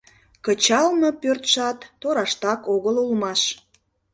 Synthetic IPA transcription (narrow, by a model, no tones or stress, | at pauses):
kət͡ɕɑlnopørt̪ʃɑt̪ːoɾɑʃt̪ɑkoɣəlulmɑʃ